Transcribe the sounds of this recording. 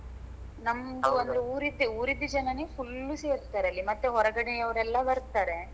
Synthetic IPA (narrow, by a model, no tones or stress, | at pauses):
nɐmd̪uond̪ɾeuːɾid̪ːeuːɾid̪ːud͡ʒɐnɐneːpulːusejɐt̪ːaːɾeɐlːimɐt̪ːeɦɔɾɐɡɐɽejɐʋɐɾɛlːɐbɐɾt̪ːaːɾe̞